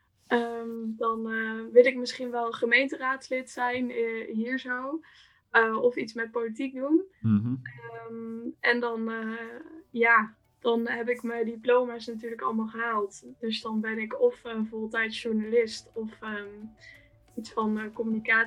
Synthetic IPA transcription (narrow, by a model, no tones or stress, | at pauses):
əmdɑnʋɪlˠɪk̚mɪsχinʋɛlˠχəmejntəraːtslɪtsɛjnɦiːɹzow | ɔfitsmɛt̚politik̚dum | əmʔɛndɑn | jaː | d̥ɑnɦɛp̬ɪkməjdiplowmasnatyːɹləkɑ̰lˠmaːlˠχəɦaːlˠtd̥ɵsdɑnbɛnɪkɔfəvoːlˠtɛjtʃuɹnalɪstɔfə | itsfɑnkɔmynikaː